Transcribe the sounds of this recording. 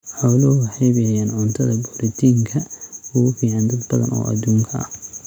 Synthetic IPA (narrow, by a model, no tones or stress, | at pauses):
ħɔːlɔwɑħejβɪjɐjaːnʕʊnt̪ʰɐðɐbuɾɪt̪ʰiːŋkʰɐʊɣʊfiːʕand̪ɐd̪bɐðɐ̰nɔ̰ːʔɐ̰d̪uːŋkʰɐɐ̰